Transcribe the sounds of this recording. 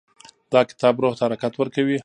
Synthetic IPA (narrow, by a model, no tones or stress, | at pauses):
d̪̥ɑkɪ̥t̪ɑbɾoht̪ahaɾakat̪wəɾkawi